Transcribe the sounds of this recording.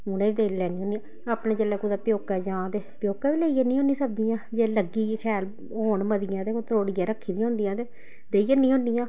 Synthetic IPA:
ʊnẽːʋiːd̪eːlɛːnĩːɦõːndiã | aːpɳẽːd͡ʒəlɛːkud̪aːpjoːkɛːd͡ʒãːt̪eːpjoːkɛːʋiːleijeːnĩːɦõːniːsəp̚d̪ijãːd͡ʒeːləɡiːʃʰɛːl | ɦoːɳməd̪ɪjãːt̪eːkot̪ɾoːɽijaːɾəkʰːiːd̪ĩãːɦʊ̃nd̪ijãːt̪eː | d̪eːijeːnĩːõːnd̪ijãː

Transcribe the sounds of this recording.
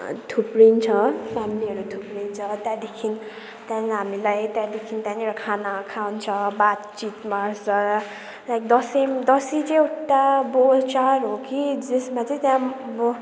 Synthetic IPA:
t̪ʰuprint͡sʰʌpʰamiliɦʌɾut̪ʰupɾint͡sʰʌt̪jãd̪ekʰin | t̪jãɦamilajt̪jãd̪ekʰint̪jãneɾʌkʰanakʰawnt͡sʰʌbat̪t͡sit̪marsʌ | lajk̚d̪ʌsemd̪ʌsit͡sʌ̃eʈːabot͡saɾɦokid͡zesmat͡sʌĩt̪jãb

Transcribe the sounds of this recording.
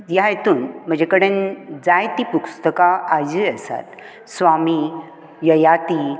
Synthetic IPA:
jajet̪uːnm̤əɳd͡ʑekəɽənd͡zajt̪iːpukst̪əkaad͡ʑiəsa̰t̪ | sʋami | jəjat̪i

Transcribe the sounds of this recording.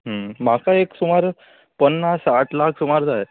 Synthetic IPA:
ɦəmakaeksumaɾ | pənːasaʈlakʰsumaɾd͡zaj

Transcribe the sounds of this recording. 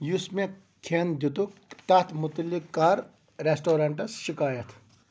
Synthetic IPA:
jusme | kʰend̪it̪ukt̪ɐt̪ʰmut̪əlːikːɐɾ | ɾesʈoːɾɐɳʈɐsʃikaːjɐt̪ʰ

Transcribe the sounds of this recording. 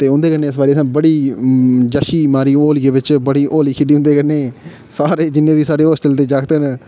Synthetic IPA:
t̪eːʊ̃nd̪eːkəneːs̬baːɾiːsãːbəɽiː | d͡ʒaːʃiːmaːɾiːoːliːeːbɪt͡ʃbəɽiːʔoːliːkʰɪɖiːʊ̃nd̪eːkəneː | saːɾeːd͡ʒɪnːẽːbiːsaːɖeːoːsʈəlt̪eːd͡ʒaːkʰt̪ən

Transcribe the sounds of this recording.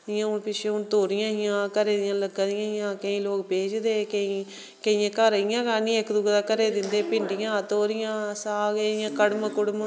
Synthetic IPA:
ɪjãːʊnpɪt͡ʃʰeʊnt̪oːɾɪjãːɦɪjãːkəɾeːd̪ɪjãːləɡəɪjãːɪjãːkəĩːloːkpeːd͡ʒd̪eːkəĩː | kəijãːkəɾjãːkaːnĩːekd̪ʊɡd̪aːkəɾeːd̪ɪnd̪eːpɪɳɖɪjãːt̪oːɾɪjãːsaːɡəɪjãːkəɽməkʊɽm

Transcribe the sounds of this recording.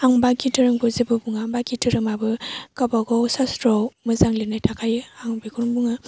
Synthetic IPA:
aŋbaɡitɯɾɯŋbɯzibɯbuŋabaɡitʰɯɾɯmabɯkabaɡɔwsastɾɔmɯzaŋlinajtʰakʰajɯaŋbiɡʰuɾŋbuŋa

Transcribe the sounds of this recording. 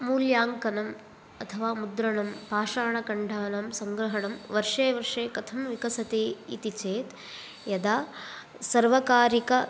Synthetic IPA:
muːljaːŋkɐnɐm | ɐt̪ʰɐʋaːmud̪ɾɐɳɐmpaːʂaːɳɐkɐɳɖʱaːnɐmsɐŋɡɾɐɦɐɳɐmʋɐɾʂeːʋɐɾʂeːkɐt̪ʰɐmʋikɐsɐt̪eːḭt̪it͡ʃeːt̪ | jɐd̪aː | sɐɾʋɐkaːɾikɐ

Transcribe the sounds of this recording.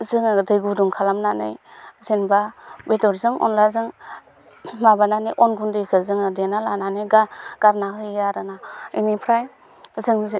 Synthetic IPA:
zɯŋdɯjɡuduŋkʰalamnanɯ̰jzenbabetɔɾzɯŋɔ̰nlazɯŋ | mabananiʔɔnɡundɯjkʰɯzɯŋɯdenalananɯɡaɡ̥aɾnaɦɯjaɾɯnainipʰɾaj | zɯŋz

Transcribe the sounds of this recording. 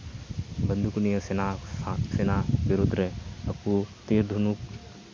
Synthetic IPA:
bɐnd̪ukunijɐsenasenabiɾud̪ʱɾeɐkːut̪eːɾd̪ʱunuk

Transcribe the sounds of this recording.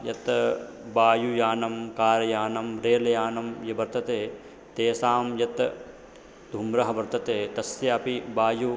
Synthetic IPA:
jɐt̪ | baːjujaːnɐmkaːɾɐjaːnɐmɾeːlɐjaːnɐmjɐbɐɾt̪ɐt̪eː | t̪eːsaːmjɐt̪ | d̪ʱumɾɐɦɐbɐɾt̪ɐt̪eːt̪ɐsjɐɐpibaːju

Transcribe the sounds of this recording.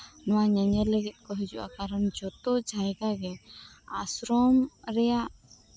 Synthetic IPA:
nɔwaɲaɲɛlɛɡɛt̪̚ˀkɔɦid͡ʒuʔa̰kaɾənd͡ʒɔt̪ɔd͡ʒʱajɡaɡɛa̰sɾɔmɾɛjaʔ

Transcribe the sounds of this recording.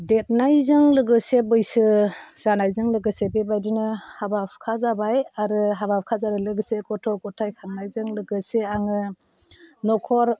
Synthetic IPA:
det̚najzɯŋlɯɡɯsebɯjsɯz̥anajzɯŋlɯɡɯsebebajdinɯhabapʰkʰazabajaɾɯɦabap̚ʰkʰazaɾɯlɯɡɯsekɔtʰɔkɔtʰajkʰaŋnajzɯŋlɯɡɯseaŋɯ | nɔkʰɔɾ

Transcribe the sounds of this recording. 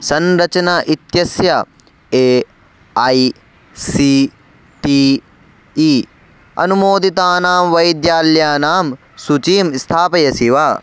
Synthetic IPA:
sɐnɾɐt͡ʃɐnɐʔit̪jɐsjɐ | e | ɐj | si | ʈi | i | ɐ̰numoːd̪it̪aːnaːmʋɐjd̪jaːljaːnaːm | sut͡ʃiːmst̪ʰaːpɐjɐsiʋaː

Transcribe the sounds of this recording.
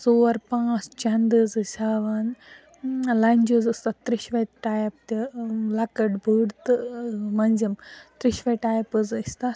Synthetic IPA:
soːɾpãːst͡ʃɐnd̪ɨzɨsʲaːʋan | lɐnʲd͡ʒuzɨst̪ɐt̪ɾiʃʋɐʈaːjp̚t̪ʲilɐkɐʈbɨɽt̪ɨmɐnʲzimt̪ɾiʃʋɐʈaːjpɨzsʲt̪a

